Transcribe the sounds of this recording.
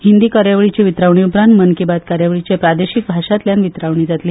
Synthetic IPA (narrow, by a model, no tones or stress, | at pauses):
hind̪iːkəɾjaʋɭit͡ɕiʋit̪ɾaʋɳiupɾãnt̪mənkibat̪kaɾjaʋɭit͡ɕepɾad̪eɕik̚bʱaʂat̪ljanʋit̪ɾaʋɳ̃iːd͡zat̪liː